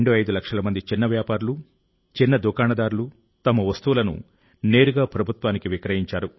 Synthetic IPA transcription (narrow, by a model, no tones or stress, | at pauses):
ɳɖoːɐjd̪ulɐkʂɐlɐmɐnd̪it͡ʃinːɐʋjaːpaːɾulu | t͡ʃinːɐd̪ukaːnɐd̪aːɾulu | t̪ɐmɐʋɐst̪uʋulɐnṵ | ne̞ːɾuɡaːpɾɐbʱut̪ʋaːnikiʋikɾɐɦiɲt͡ʃaːɾu